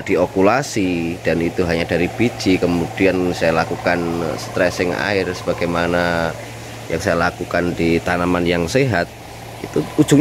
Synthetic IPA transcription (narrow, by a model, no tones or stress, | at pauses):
d̥iokulasid̥anit̪uɦaɲadaɾib̥i̥t͡ʃikəmud̥iansajalakukanst̪ɾɛsɪŋa̰ɪrsəbaɡ̥ajmana | jaŋsajalakukandit̪anamanjaŋseɦat̪̚ | ḭt̪uud͡ʒuŋ